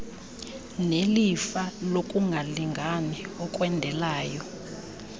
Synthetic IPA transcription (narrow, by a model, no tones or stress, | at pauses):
nelifalokʼuŋɡʱaliŋɡʱanɛɔkʼwɛndʱɛlaːjɔ